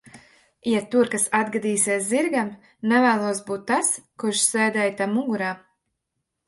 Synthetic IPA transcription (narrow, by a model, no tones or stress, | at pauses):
jat̪uɾkasad̪ɡad̪iːsiɛsziɾɡam | nɛvæːlˠuɔsbuːt̪ːaskuɾʃsɛːd̪ɛjt̪amuɡuɾaː